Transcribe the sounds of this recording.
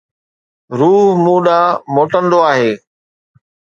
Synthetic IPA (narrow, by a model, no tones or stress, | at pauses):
ɾuːɦmũːɗaːmoːʈənd̪oaːɦeː